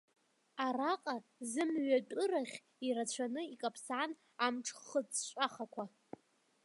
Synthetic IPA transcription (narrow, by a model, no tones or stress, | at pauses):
araqʼazɨmɥat͡pʼʊraχʲ | irat͡ɕʷʰanɨikʼapʰsaːn | amʈ͡ʂʰχət͡sʼʃʷʼaχakʷʰa